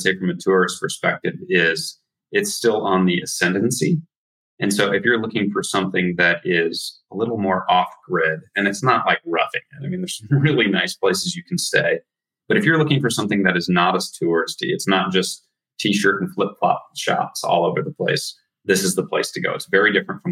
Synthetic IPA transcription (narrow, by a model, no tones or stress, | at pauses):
seɪfɹʌ̃mɨtʰʊɹɨspʰə˞spɛk̚tɨvɪz | ɨtstɪlˠə̃nðiɨsɛ̃ndn̩si | ʔɨ̃nsoʊʔɨfjə˞lʊkɪ̃ŋfə˞sʌ̃mθɪ̃ŋðɨɾɪz̥əlɪɾl̩ˠmɔɹʔɔfɡ̥ɹɪdɨ̃nɨtsnəʔˡlʔaɪk̚ɹʌfɪ̰̃ŋɪtaɪmĩnðə˞zsʌ̃mɹɪlˠinaɪspʰl̥eɪsɨzjɨkʰn̩sḛɪ | b̥ʌɾɨfjə˞lʊkɪ̃ŋfə˞sʌ̃mθɪ̃ŋðɨɾɨznəɾəstʰʊɹɨstḭɨtsnət̚d̥ʒ̥ʌs | tʰiʃɜ˞ɾn̩flɪp̚pʰl̥ɑ̰t̚ʃɑ̰tsɔ̰lˠoʊvə˞ðəpʰl̥eɪs | ðɪsɨzðəpʰl̥eɪstʰɨɡoʊətsvɛɹidɪfɹɨ̃ntfɹʌ̃m